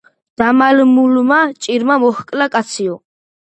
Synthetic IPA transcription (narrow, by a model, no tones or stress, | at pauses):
d̪̥amalmulmat͡ʃʼiɾmamɔχkʼlakʼat̪sʰiɔ